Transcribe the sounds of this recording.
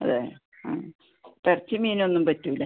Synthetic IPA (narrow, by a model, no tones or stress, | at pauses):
ɐ̰ðeː | pɐrt͡ɕːimiːno̞nːumpɐtːulːɐ